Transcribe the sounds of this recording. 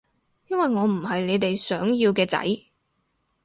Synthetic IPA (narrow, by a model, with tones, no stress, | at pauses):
jɐ˥nwɐ˨jŋɔː˨˧m̩˨˩ɦɐ˨jle˨˧jt̪e˨jsœː˨˥ŋjiː˧wkɛː˧t͡sɐ̰˨˥j